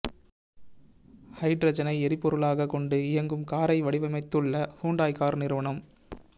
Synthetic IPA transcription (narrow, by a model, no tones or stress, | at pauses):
hɐɪʈɾɐd͡ʒɐnɐɪɛɾɪpːɔɾɯɭaːɣɐkɔɳɖɯɪjɐŋɡɯmkaːɾɐɪʋɐɽɪʋɐmɐɪt̪ːɯɭːɐhuːɳɖaːjkaːɾnɪɾɯʋɐɳɐm